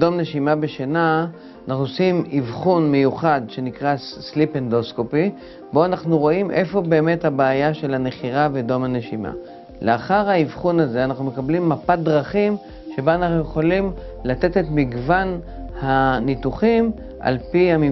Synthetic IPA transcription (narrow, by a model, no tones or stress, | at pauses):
do̞mne̞ʃimabe̞ʃena | anʔaχnusimivχunmejuχadʃe̞nikʁaslipend̪oskopi | bo̞anaχnuʁo̞imʔe̞fo̞be̞ːme̞thabaajaʃe̞lane̞χiʁavedo̞mhane̞ʃima̰ | leaχaʁhaivχunaze̞anaχnume̞kablimːapat̚dʁaχim | ʃe̞baanaχnuje̞χolimlat̪e̞t̪e̞t̪miɡvan | hanit̪uχim | ʔa̰lpihami